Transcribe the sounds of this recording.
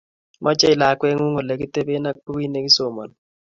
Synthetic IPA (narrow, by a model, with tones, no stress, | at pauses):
mʔɔ˦t͡ʃɛ˦ɪ˨la˨kwɛ˦ŋu˦ŋo˨le˨ɡi˦t̪e˦be˦na˦pu˦wi˦ne˦ki˦so˨mɔ̰˨n